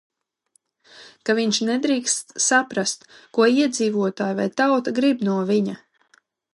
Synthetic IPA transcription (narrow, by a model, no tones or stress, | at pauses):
kaviɲt͡ʃnɛd̪ɾiːkst̪sapɾast̪kuɔiɛd̪ziːvuɔt̪aːjvajt̪awt̪aɡɾibnuɔviɲa